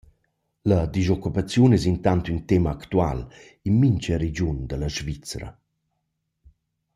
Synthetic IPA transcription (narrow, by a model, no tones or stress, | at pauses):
lɐd̪izɔkːupat͡sjunɛsint̪ant̪ynt̪emaakt̪ua̰l | inmiɲt͡ʃəɾed͡ʑund̪əlaʃvit͡sɾa̰